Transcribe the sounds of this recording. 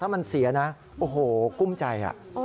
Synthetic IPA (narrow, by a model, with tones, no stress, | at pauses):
t̪ʰaː˥˩ma˧nsi˨˩˦ɐna˦˥ | ʔoː˧˩ɦoː˨˩ku˥˩mt͡ɕa˧jʔa̰˨˩ʔ